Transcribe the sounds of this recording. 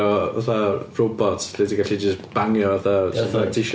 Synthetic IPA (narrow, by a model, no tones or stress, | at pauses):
ɔvaθarobɔtʰɬediɡaɬid͡ʒəsb̥aŋjɔvaθataθḁiʃ